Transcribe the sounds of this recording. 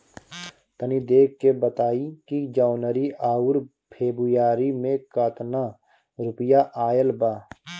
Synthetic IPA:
t̪ənid̪eːkːebət̪aːikid͡ʒaːnəɾiʔaːʊɾ | pʰeːbɾʊjaːɾimẽkaːt̪na | ɾʊpəjaʔaːjəlbaː

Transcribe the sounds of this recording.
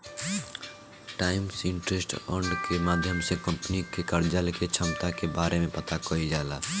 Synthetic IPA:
ʈaːɪmsɪ̃ɳʈɾesʈɔɳɖkemaːd̪ʱjəmsekə̃mpnikekəɾd͡ʒəlket͡ʃʰəmt̪akebaːɾemẽpət̪akoid͡ʒaːlaː

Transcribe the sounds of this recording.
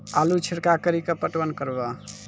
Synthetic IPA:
alut͡ʃʰiɽkakəɾikepəʈwənkəɾba

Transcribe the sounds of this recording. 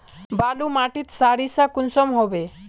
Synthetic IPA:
balumaʈit̪saɾisakunsɔmɦɔbe

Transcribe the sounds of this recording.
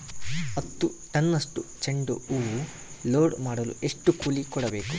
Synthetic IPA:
ɐt̪ːuʈɐnːɐsʈut͡ʃeɳɖṵuu | loːɖmaːɽɐlṵʔe̞ʂʈukuːlikɔɽɐbe̞ːku

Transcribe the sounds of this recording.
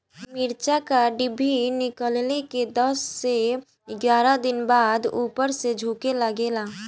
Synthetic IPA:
mɪɾt͡ʃakaɖɪbʱinɪkəlleked̪əsːe | ɪɡjaːɾad̪ɪnbaːd̪uːpəɾsed͡ʒʱuːkeləɡeːlaː

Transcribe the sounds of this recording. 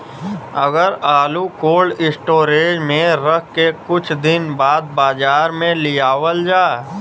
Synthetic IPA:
ɐɡəɾaːlukoːlɪsʈoːɾeːd͡ʒmẽɾəkʰkekʊt͡ʃʰd̪ɪnbaːd̪̚baːd͡ʒaːɾmẽlɪjaːwəld͡ʒaː

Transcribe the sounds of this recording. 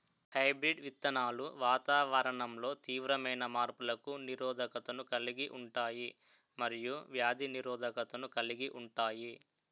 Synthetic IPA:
hɐjbɾiɖʋit̪ːɐnaːluʋaːt̪aːʋɐɾɐɳɐmlo̞ːt̪iːʋɾɐmɐjnɐmaːɾpulɐkuniɾɔːd̪ʱɐkɐt̪ɐnukɐliɡiʔuɳʈaːji | mɐɾijuʋjaːd̪ʱiniɾɔːd̪ʱɐkɐt̪ɐnukɐliɡiʔuɳʈaːji

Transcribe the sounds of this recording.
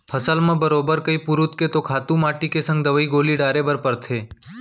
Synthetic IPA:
pʰəsəlmãːbəɾobəɾkəipuɾʊt̪ket̪okʰaːt̪ũmaʈikesə̃ŋɡ̚d̪əʋəiɡoːliɖaːɾebəɾpəɾt̪ʰeː

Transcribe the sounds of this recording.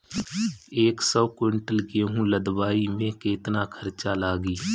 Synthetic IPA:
eːksəbkwɪɳʈəlɡeɦũləd̪baːimẽkeːt̪nakʰəɾt͡ʃalaːɡiː

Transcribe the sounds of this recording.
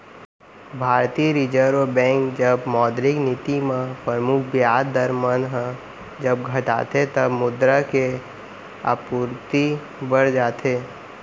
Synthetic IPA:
bʱaːɾt̪iɾid͡ʒəɾobɛ̃ːŋkd͡ʒəbmɔːd̪ɾɪknɪt̪imãpɾəɾmʊkʰbjaːd̪əɾmənɦə̃ | d͡ʒəbɡʱəʈa̰ːt̪ʰet̪əbmʊd̪ɾake | a̰puːɾt̪i | bəɽd͡ʒaːt̪ʰeː

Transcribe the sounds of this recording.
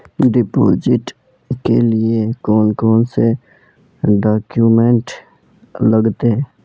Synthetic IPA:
ɖɪpo̰ːd͡ʒɪʈ | kelɪekɔːnkoːnse | ɖaːkjuːmẽɳʈ | ləɡt̪e

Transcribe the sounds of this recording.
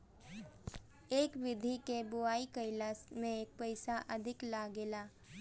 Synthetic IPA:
eːkʋɪd̪ʱikebʊaːikəɪlasmẽeːk̚pəɪsaʔɐd̪ʱɪklaːɡeːlaː

